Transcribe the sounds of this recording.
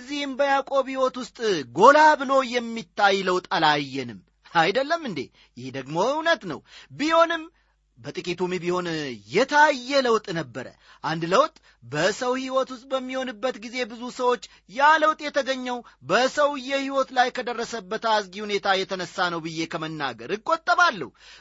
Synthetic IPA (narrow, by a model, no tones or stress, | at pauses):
zːihɨmbəjakʼo̞bhiwɔt̪wʊst̪ʼɡo̞labɨlo̞jɛmːit̪ːajləwt̪ʼalajːɛnɨmː | ajd̪əlːəmːɨnd̪e | jɪhd̪əɡmo̞wnət̪nə̰wbiho̞nɨm | bət̪ʼɨkʼit̪umibiho̞njɛt̪ʰajːɛləwt̪ʼnəbːəɾə̰ | ʔand̪ləwt̪ʼ | bəsəwhiwɔt̪ʊst̪ʼbəmːiho̞nɨbːət̪ɡize̞bɨzusəwo̞t͡ʃː | jaləwt̪ʼjɛt̪ʰəɡəɲːɛwbəsəwjɛhiwɔt̪lajkʰəd̪ərːəsəbːət̪azɡihunet̪ʰajɛt̪ʰənəsːanəwbɨjːe̞kʰəmənːa̰ɡəɾɨkʼːot̪ʼːəβalːə̰hu